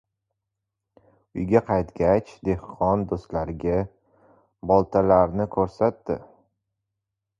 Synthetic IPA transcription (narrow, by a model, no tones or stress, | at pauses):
ʊjɡʲaqʰɑjt̪ɡʲat͡ʃd̪e̞hqʰɒnd̪ost̪laɾɪɡʲa | bɒlˠt̪ʰalaɾnɪkʰɵɾsat̪ːɪ̰